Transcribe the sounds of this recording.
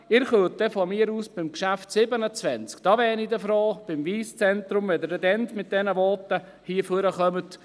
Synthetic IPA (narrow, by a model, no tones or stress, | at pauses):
ɪɾχøtdɛfɔmiːəɾuːsb̥ɪmkʃæftsɪbənət͡sʋɛnt͡skd̥ɑːʋɛːnid̪əfɾoːb̥ɪmviːst͡sɛnt̪ɾʊmʋɛd̪əɾɛdɛnt̪mɪt̚d̥ɛnəʋɔːtə | hiːəføɾəχœmət̪